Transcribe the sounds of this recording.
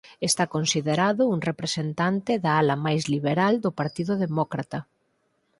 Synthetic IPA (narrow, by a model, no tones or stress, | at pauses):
est̪akonsiðeɾaðʊuŋrepɾesent̪ant̪ɪðaalɐmajzliβeɾald̪ʊpaɾt̪iðʊðemɔkɾat̪ɐ